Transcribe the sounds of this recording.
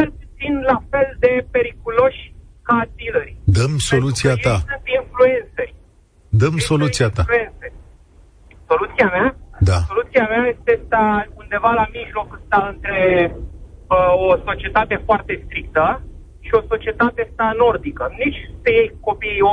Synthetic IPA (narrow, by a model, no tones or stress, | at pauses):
t͡ʃelput̪sinlafe̞ld̪e̞pe̞ɾikulo̞ʃʲkad̪ilerʲd̪əmso̞lut̪siaasɨnt̪influe̞nt̪serʲ | d̪əmso̞lutsiat̪auent̪se | so̞lut̪siamad̪ao̞lut̪siamaje̞st̪est̪aund̪e̞valamiʒlo̞kəst̪aɨnt̪ɾe̞ | oso̞t͡ʃie̞t̪at̪e̞foart̪e̞st̪ɾik̚t̪ə | ʃio̞so̞t͡ʃie̞t̪at̪est̪ano̞rd̪ikənit͡ʃʲpejejko̞piːo